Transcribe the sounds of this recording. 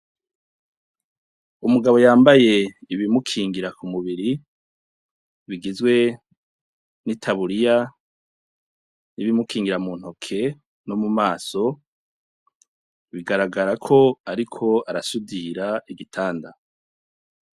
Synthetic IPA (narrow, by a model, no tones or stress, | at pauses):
umuɡaβo̞jaːmbaje̞iβimukʰiːŋɡiɾakumuβiɾi | βiɡizɡwe̞ | nitʰaβuɾija | niβimukʰiːŋɡiɾamuːn̥hokʰe̞ | no̞mumaːso̞ | βiɡaɾaɡaɾakʰo̞aɾikʰo̞aɾasudiɾaiɡitʰaːnda